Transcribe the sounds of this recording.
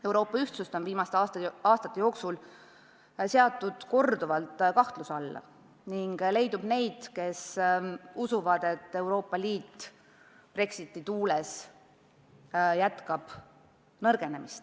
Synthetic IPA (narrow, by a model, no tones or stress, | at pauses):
e̞wɾo̞ːpːˑɑyht̪sust̪o̞nviːmɑst̪eɑːt̪ɑːst̪ɑ̥t̪ːejo̞ːksul | seɑt̪ːˑud̪̥ko̞rd̪uvɑlt̪kɑht̪lusɑlːɑ̰ | niŋɡ̥le̞jd̪ub̥ne̞jd̪̥ke̞s | usuvɑd̪̥e̞t̪ːe̞wɾo̞ːpːˑɑliːt̪ː | pre̞ksit̪ːˑit̪uːlɛs | jæt̪kɑb̥ | nɤrɡ̥e̞ne̞mist̪